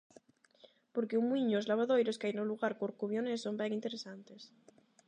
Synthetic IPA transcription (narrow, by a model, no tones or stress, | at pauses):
poɾkeumwiɲozlaβ̞aðojɾoskajnoluɣaɾkoɾkuβjonesombeŋint̪eɾesant̪es